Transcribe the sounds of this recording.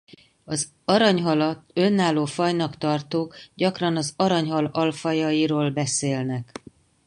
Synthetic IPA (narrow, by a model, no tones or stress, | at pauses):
ɒz | ɒɾɒɲɦɒlɒt̪ø̞nːaːloːfɒjnɒkt̪ɒrt̪oːkɟɒkrɒnɒzɒɾɒɲɦɒlɒlfɒjɒjiɾoːlbɛseːlnɛk